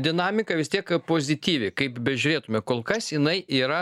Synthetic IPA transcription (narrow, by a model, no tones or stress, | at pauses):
d̪ʲɪnɑːmʲɪkɐʋʲɪst̪ʲiɛkpoːzʲɪt̪ʲiːʋʲɪkɐɪpbʲɛʒʲʊɾʲeːt̪ʊmʲɛkoːlˠkɐsjɪnɐɪʔiːɾɐ